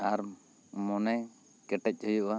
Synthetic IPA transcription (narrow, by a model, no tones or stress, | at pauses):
aɾ | mɔnaj | kɛʈɛc̚ˀhujuʔwa